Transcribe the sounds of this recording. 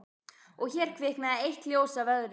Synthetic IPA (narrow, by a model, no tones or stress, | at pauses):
ɔɣçɛɾ̥kʰvɪhkmɛðaejht̪ljoːwsavœðɾɪ